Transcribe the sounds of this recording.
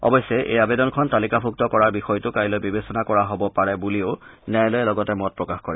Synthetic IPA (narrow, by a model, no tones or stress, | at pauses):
ɔ̰bɔjsːɛʔḛjabedɔnkʰɔntalikabʰʱuk̚tɔkɔɹaɹbixɔjtʊkajlojbibesɔnakɔɹaɦobɔpaɹɛbulioʊnɛjlojɛlɔɡɔtɛmɔt̚pɹɔkaxkɔɹɛ